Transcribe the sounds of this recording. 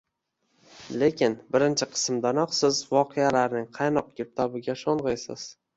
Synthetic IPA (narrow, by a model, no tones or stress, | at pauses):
le̞kʲʰɪnbɪɾɪnt͡ʃʰɪqʰɨ̥smd̪anɒqsɪzvɒqʰejalaɾnɪŋqʰɑjnɒq̚ɡʲep̚t̪ʰɒbɪɡʲaʃɒɴʁɨjsɪ̰z̥